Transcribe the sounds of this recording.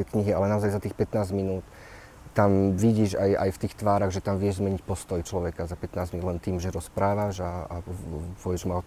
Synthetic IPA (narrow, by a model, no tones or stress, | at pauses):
ɛkɲiɦialɛnaɔzajzat̪iːxpɛt̪naːzɟminuːt̪ː | amʋiɟiːʒaja̰jft̪iːxt̪ʋaːɾaɣʒɛt̪amʋɪɛʒzmɛɲicpɔst̪ɔjt͡ʃlɔʋɛkazapɛt̪naːzmilɛnt̪iːmʒɛɾɔspɾaːʋaʒaapɔɛʒma